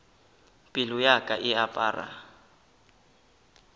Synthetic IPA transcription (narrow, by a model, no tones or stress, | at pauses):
pʼɪlʊjakʼaʔɪapʼa̰ːra̰